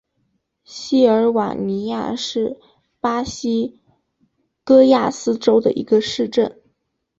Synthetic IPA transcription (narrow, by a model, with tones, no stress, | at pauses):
ɕi˥ə˞˧˥wa̰˨˩ni˧˥ja̰˥˧ʂɻ̩˥˩ | pa˥ɕi˥ | kɤ˥ja˥˩sɹ̩˥ʈ͡ʂo˥ʊd̪ə˨ʔḭ˧˥ɡə˧ʂɻ̩˥˧ʈ͡ʂə˥˩n